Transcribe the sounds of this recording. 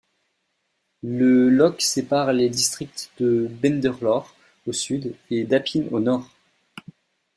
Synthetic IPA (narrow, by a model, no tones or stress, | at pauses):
ləlɔksepaʁled̪ist̪χik̚t̪d̪əbɛ̃nd̪ɛʁlɔʁ | osyd̪ed̪apʰino̰nɔʁ